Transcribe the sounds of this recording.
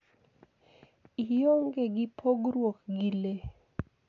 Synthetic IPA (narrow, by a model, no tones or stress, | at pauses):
ijoŋɡeɡɪpʰoɡɾwokɡile